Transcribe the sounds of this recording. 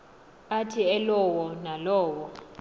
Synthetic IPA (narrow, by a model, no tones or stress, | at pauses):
atʰiɛlɔwɔnalɔːwɔ